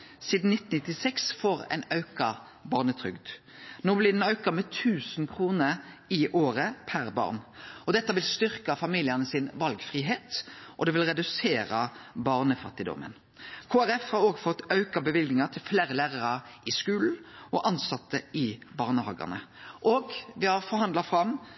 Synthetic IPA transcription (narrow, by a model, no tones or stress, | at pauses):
siːd̪n̩nɪt̪ːn̩nɪt̪ːɪsɛksfoːʁɛ̰ɪnɑʉkɑ | bɑːʁnət̪ʰɾʏɡd̪ | noːblɪd̪ɛnɑʉkɑmɛːt̪ʰʉːsnkʰʁuːnəɾ | ɪʔoːʁəpʰæʁbɑ̰ːʁnɔd̪ɛt̪ːɑʋɪlst̪ʏʁkɑfɑmiːlɪənəsɪnʋɑlɡfʁiːɦeːt̪ʔɔd̪ɛʋɪlʁɛd̪ʉseːɾɑbɑʁnəfɑt̪ːɪd̪ɔ̰mʔə̰n | kʰoːæɾɛfhɑɾoːɡfɔt̪ːɑʉkɑbəʋɪlɡnɪŋɑt̪ʰɪlfleːɾəlæːʁɑʁɑʔɪskʉːln̩ʔɔʔɑnsɑt̪ːəʔɪbɑːʁnəhɑ̰ːɡɑ̰nəʔoːɡʋɪhɑʁfɔɾhɑnd̪lɑfɾɑm